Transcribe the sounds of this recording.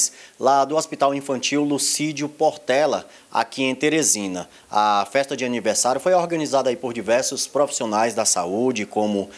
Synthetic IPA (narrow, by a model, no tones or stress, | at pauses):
slad̪ʊɔspit̪awĩfɐ̃nt͡ʃiwlusid͡ʒʊpɔɾt̪ɛlɐ | a̰kiẽj̃t̪eɾezĩnɐ | ɐfɛst̪ɐd͡ʒɪɐnivɛɾsaɾjʊfojɔɾɡɐ̃nizad̪ɐaipoɾd͡ʒivɛɾsʊspɾofi̥sionajzd̪ɐsaud͡ʒɪkõmʊ